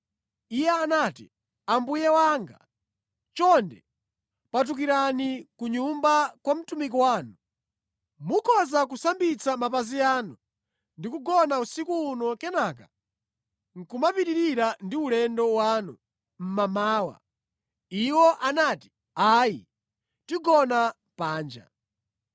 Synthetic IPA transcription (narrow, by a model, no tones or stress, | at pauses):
ijɛanaːtḭ | ambujɛwaŋɡa̰ | t͡ʃɔndɛ | pat̬uk̬iɾanikuɲumbakwam̩tumik̬iwaːnu | mukʰɔzakusambit͡samapaziaːnu | ndikuɡɔnausikuːnɔkɛnaːk̬a | ŋ̩kumapiɾiɾiɾandiulɛndɔwaːnu | m̩mamaːwa̰ | iwɔʔanaːti̥ | aːji | tiɡɔna | paːnd͡ʒa̰